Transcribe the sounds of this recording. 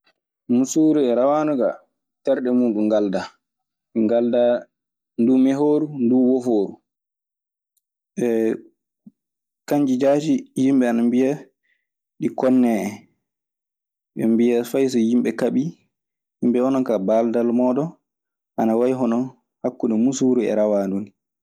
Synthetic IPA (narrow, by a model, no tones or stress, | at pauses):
musuɾiɛɾawanuɡa | tɛɾɗɛmuːɗuŋɡalda | ŋɡalda | ndumɛɦoːɾunduwofoːɾu | ɓɛ | kaɲd͡ʒid͡ʒaːd͡ʒijimɓɛanambija | ɗikɔnːɛːɛ | ɓɛmbijafajs̬ɔjimɓɛkaɓi | himbɛɔnɔkabaldalmɔːɗɔ | ʔanawajɦɔnɔ | hakːunɔmusuɾuɛ̰ɾawaːndun